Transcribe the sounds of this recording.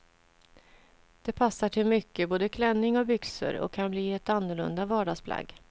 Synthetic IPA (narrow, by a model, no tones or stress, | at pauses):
d̪̥ɛpʰasːaʈʰɪlmʏkːəboːd̪əkʰlɛnːɪŋɔbʏksə̰ɾɔ̰kʰːanbliːɛt̪anːʊɭɵ̰nd̪avɑːɖaɡspʰla̰ɡ